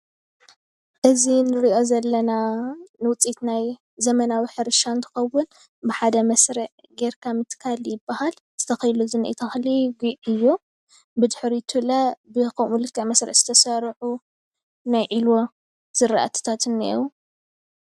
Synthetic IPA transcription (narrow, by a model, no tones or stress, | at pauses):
ʔɨzinɨɾiʔo̞zɐlːɐnanɨwʊt͡sʼit̪naj | zɐmɐnawiħɨɾʃant̪ʰɨ̥xɐwːʊn | bɨħad̪ɐmɐsɾɐʕ | ɡeɾkʰamɨt̪ʰkʰaljɪbːahal | z̥ɨt̪ʰɐxɐjluzɨnʔḭt̪ʰɐxliɡiɨjːo | bɨd̪ħɾit̪ʰulɐbɨkʰɐmulɨkʰʼːɐʕmɐsɾɐ̰ʔz̥ɨ̥t̪ʰɐsɐɾħu | najʕilwo | z̥ɨɾaʔa̰t̪ʰɨ̥t̪ʰat̪ɨnːḛwu